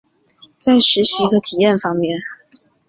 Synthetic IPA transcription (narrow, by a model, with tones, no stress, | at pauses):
t͡sa˥˩ɪʂɻ̩˨˧˥ɕi˧˥ɡə˧t̪ʰi˨˩jɛ˥˨˩nfɑ˥ŋmjɛ˥˨n